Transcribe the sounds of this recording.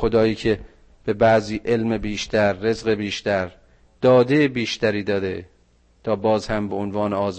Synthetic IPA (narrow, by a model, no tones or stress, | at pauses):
od̪ɒːjiːkʰe̞ | b̥e̞bæʔziːʔe̞lmebiːʃt̪æɾːe̞zɣe̞biːʃt̪æɾ | d̪̥ɒːd̪ejebiːʃt̪æɾiːd̪ɒːd̪e | t̪ʰɒːbɒːzhæmbe̞onvɒːneɒːz